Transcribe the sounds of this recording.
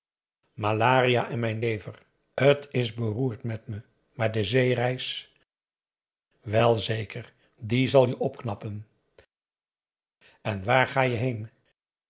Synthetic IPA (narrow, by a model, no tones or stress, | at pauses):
malaːrijaːʔɛnmɛjnlejvər | ətɪzbəruːɹtmɛtmə | maːɹdəzejrɛjs | ʋɛlˠzejkəɹ | dizɑlˠjəʔɔpknɑpən | ɛnʋaːɹχaːjəɦejn